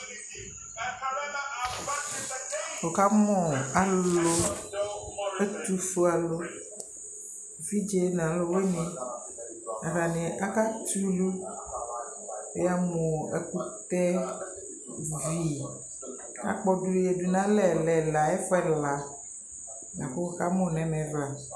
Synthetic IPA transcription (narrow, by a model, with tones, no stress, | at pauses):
wo˨ka˦mɔ̃˨a˨lo˦ | e˦t̪u˦fo˦a˨lo˦ | vi˦d͡ʒe˦nã˨˦lo˦we˦nẽ˨ | a˨ɾa˨nẽ˨ʔa˦ka˦t͡ʃu˦lu˦ | e˦a˦mɔ̃˨ḛ˨ku˦t̪ɛ˦ | vi˨ | a̰˨k͡pɔ˦ɖu˦je˨du˨nã˦lɛ˨lɛ˨la˨ɛ˦fɛ˦la˨ | ja˨ɸe˦wo˨ka˦mɔ̃˦˨nɛ̃˨mɛ̃˨vla˨